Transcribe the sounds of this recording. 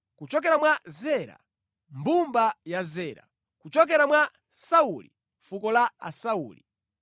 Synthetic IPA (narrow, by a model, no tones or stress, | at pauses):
kut͡ʃɔk̬ɛɾamwazɛɾa̰ | mbumbajazɛːɾa̰ | kut͡ʃɔk̬ɛɾamwa | saulḭ | fukɔlaa̰sauːli